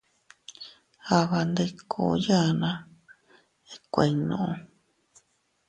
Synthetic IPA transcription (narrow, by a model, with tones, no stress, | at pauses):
a˧βa˧nd̪e˧kʰo˨˦ja˦˧nã˧ | e˧kʷe˧i˨nõ̰˨ʔõ˧